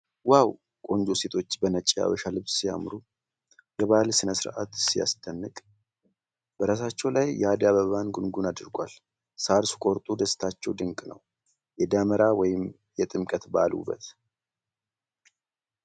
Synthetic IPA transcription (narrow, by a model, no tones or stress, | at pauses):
waw | kʼo̞nd͡ʒose̞t̪ʰo̞t͡ʃːbənət͡ʃʼːija̰βəʃalɨβssija̰mɾu | jɛβalsɨnəsɨɾʔa̰t̪sija̰st̪ʰənːɨkʼ | b̥əɾas̬at͡ʃːɛwlajːɛad̪aβəβanɡunɡunad̪ɨɾɡʷal | saɾsu̥kʼo̞ɾt̪ʼud̪əst̪ʰat͡ʃːɛwd̪ɨŋkʼnə̰w | jɛd̪aməɾawɔjɪm | jɛt̪ʼɨmkʼət̪ba̰lṵbːə̰t̪